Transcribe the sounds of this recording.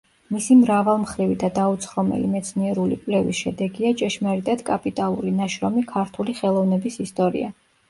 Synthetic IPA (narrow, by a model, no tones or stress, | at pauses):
misimɾavalˠmχɾivid̪ad̪aut̪sʰχɔmɛ̰limɛt̪sʰniɛɾulḭkʼwlɛvisʃɛd̪ɛɡiat͡ʃʼɛʃmaɾit̪ʼad̪kʼapʼit̪ʼalˠuɾinaʃɾɔmikʰaɾt̪ʰuliχɛlˠɔvnɛbisist̪ʼɔɾḭa